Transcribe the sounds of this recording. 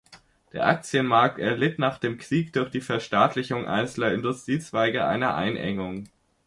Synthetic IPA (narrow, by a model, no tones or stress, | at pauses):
d̥eːɐʔak̚t͡sjənmaɐk̚tɛɐlɪtnaːχd̥eːmkʁ̥iːkd̥ʊɐçd̥iːfɛɐʃtaːtʰlɪçʊŋʔa̰ɪnt͡sl̩ɐɪndʊstʁ̥iːt͡sv̥aɪɡəʔa̰ɪnɐʔa̰ɪnʔɛ̰ŋʊŋ